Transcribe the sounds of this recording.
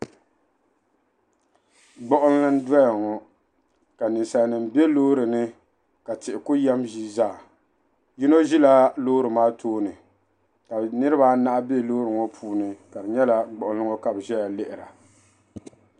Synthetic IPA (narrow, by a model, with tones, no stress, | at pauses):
ɡ͡bɔ˦ʔʊ˦n˦lɨ˦n˦da˦ja˨ŋɔ˨ | ka˨nɨ˨nsa˨nɨ˨m˨be˦loː˦ɾɨ˨nɨ˦ | ka˨tɪ˨ʔɪ˨kʊ˦jɛ˦mʒi˦zaː˦˨ | ji˦no˦ʒi˦la˦loː˦ɾɨ˨maː˦tʰoː˦nɨ˨ | ka˨nɨ˦ɾɨ˦ba˦na˦ʔa˦be˦loː˦ɾɨ˨ŋɔ˦pʰuː˦nɨ˨ka˨bɨ˨ɲɛ˦la˦ɡ͡bɔ˨ʔʊ˨˦nlɨ˦ŋɔ˦ka˨bʒɛ˦ja˨lɪ˦ʔɪ˨ɾa˨